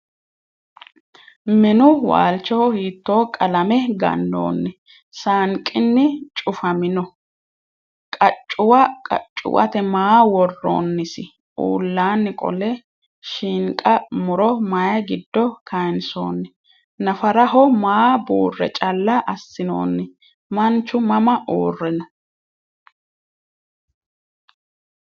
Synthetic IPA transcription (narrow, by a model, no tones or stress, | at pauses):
mɛnʊwa̰ːlt͡ʃːɔhɔhiːt̪ːo̞ːkʼɐlɐmɛɡɐ̰nːo̰ːnːɛ | saːŋkʼɪnːɪt͡ʃʼʊfɐmɪnɔ | kʼɐt͡ʃʼːʊwɐkʼɐ̰t͡ʃʼːʊ̰wʔɐ̰t̪ɛmaːwɔrːo̰ːnːɪsɪ | ṵːlːaːnːɪkʼɔ̰lɛ | ʃiːŋkʼɐmʊɾɔmɐjɐɡɪd̪ːɔkʰɐjnso̰ːnːɪ | nɐfɐɾɐɦɔmaːbuːrːɛ̰t͡ʃʼɐlːɐʔɐsːɪno̰ːnːɪ | mɐnt͡ʃːʊmɐmɐʔoːrːɛnɔ